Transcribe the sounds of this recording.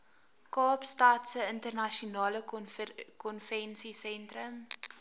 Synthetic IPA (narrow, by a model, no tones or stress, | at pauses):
kɑːpstɑːtsəəntərnɐʃiunɑːlə | kɔnfɛnsisɛntrəm